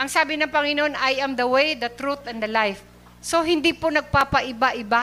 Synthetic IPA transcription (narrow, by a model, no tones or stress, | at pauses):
ʔɐŋsaːbɪnɐŋpɐŋɪnoʔonʔɐjʔɐmd̪ɐwejd̪ɐt̪ɾut̪ɛ̃nd̪ɐlajf | soɦɪnd̪iponɐɡ̚paːpɐʔɪbaʔɪba